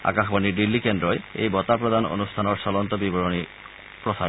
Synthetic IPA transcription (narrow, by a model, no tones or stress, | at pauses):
a̰kaxbanidilːikendɹɔjḛjbɔt̪apɹɔd̪ano̰nust̪ʰanɔɹsɔlɔnt̪ɔbibɔɹoni | pɹɔsa